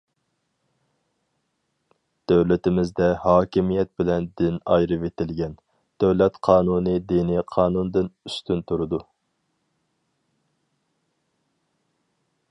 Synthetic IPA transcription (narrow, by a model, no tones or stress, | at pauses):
d̪̥øwlɪt̪ɪmɪzd̪ɛhɑːkʲimijɛt̪̚bɪlɛnd̪ɪnɑ̰jɾɨvet̪ɪlɡʲɛn | d̪̥øwlɛt̪qʰɑːnunid̪iniqʰɑːnund̪ɨnyst̪ʰynt̪ʰuɾɨd̪u